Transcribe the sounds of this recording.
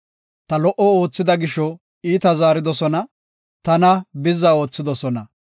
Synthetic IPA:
t̪ɐlɔʔɔo̞ːt͡sːɪd̪ɐɡɪʃɔ | iːt̪ɐzaːɾɪd̪ɔsɔnɐ | t̪ɐnɐbɪzːɐo̞ːt͡sːɪd̪ɔsɔnɐ

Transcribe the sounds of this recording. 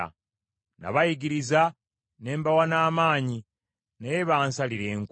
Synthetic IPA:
a̰ | na̰βajiɡiɾiza | ne̞ːmbawanaːmaːɲi | najeβaːnsaliɾeːŋk

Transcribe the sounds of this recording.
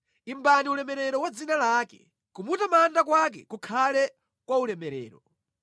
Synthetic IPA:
imbaniulɛmɛɾɛɾɔwad͡zinalaːkɛ̰ | kumutamandak̬wak̬ɛ̰kukʰalɛ | kwaulɛmɛɾɛ̰ːɾɔ

